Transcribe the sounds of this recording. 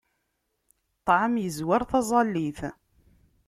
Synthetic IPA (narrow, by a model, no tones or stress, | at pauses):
t̪ˤːʕəmjəzwaɾθɑzˤɑlːiθ